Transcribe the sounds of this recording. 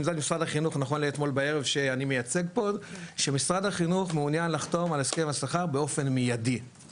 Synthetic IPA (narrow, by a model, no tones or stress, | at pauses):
mzadmisʁadhaχinuχnaχo̞nleːt̪mo̞lbae̞ʁevʃe̞animejat͡se̞ɡ̚po̞dʃe̞misʁad̪haχinuχmeunjanlaχt̪o̞maleskemasaχaʁbeo̞fe̞nmijadi